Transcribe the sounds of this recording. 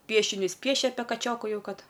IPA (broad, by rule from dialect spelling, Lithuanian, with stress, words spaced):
ˈpʲiɛʃʲɪnʲʊs ˈpʲiɛʃʲɛ ˈɑːpʲiɛ kɐˈt͡ʃʲoːkʊ ˈjɛʊ ˈkɐt